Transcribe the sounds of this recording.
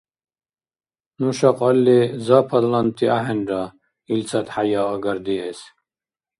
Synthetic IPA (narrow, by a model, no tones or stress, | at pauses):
nuʃaqʼɑlːizapʰad̪lant̪ʰiaɦɛnɾa | ilt͡sʰat̪ħajaːɡaɾd̪iɛs